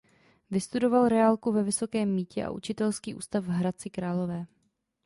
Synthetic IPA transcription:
vɪst̪udo̞valɾɛalkuvɛvɪso̞kɛːmːiːcɛ̰ʔa̰ʔut͡ʃɪt̪ɛlskiːʔṵːst̪afɦɾat͡sɪkɾaːlo̞vɛː

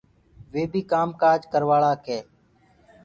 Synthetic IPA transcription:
ʋeːbʱiːkaːmkaːd͡ʒkəɾʋaːɭaːkeː

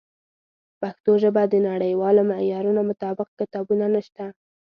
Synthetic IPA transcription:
paxt̪oʒəbad̪ənaɽəjwɑlomajɑɾunomʊt̪ɑbɪq̚kɪt̪ɑbunanəʃt̪a

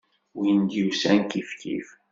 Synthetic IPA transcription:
wind̪jusænkifkḭf

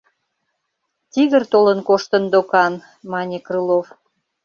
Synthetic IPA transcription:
t̪iɣərt̪olənkoʃt̪ə̆nd̪okɑn | mɑnʲekrɨlof

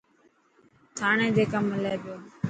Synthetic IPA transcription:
t̪ʰaːɳẽːd͡ʒeːkamːɪleːd̪oː

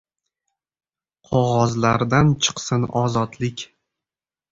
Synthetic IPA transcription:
qʰɒʁɒzlaɾd̪ant͡ʃʰɨ̥qsɨnɒzɒt̪lɪkʲ

